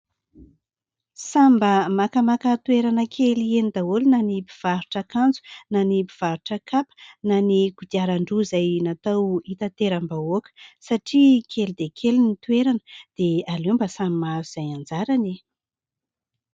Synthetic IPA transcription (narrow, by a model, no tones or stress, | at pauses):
sambəmakəmakət̪ueɾanəkʰelienid̪aolinanibiv̥aɾuʈ͡ʂakand͡zu̥nanipiv̥aɾuʈ͡ʂəkapə̥naniɡ̥ud̪iaɾaɳɖ͡ʐuzajnat̪awit̪at̪eɾambaokə̥saʈ͡ʂikʰelid̪ekʰelinit̪ueɾanə̥d̪̥ealembasamimazuz̥ajand͡zaɾane